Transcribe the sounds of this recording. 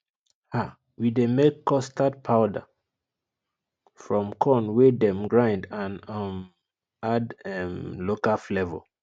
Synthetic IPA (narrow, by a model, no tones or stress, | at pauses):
ha | widemekːɔstad̚pʰaʊda̰ | fɹɔ̃mkʰɔ̃nwedɛ̃mɡɹãɪ̃ndãnam | adɛmlokaflɛvɔ̰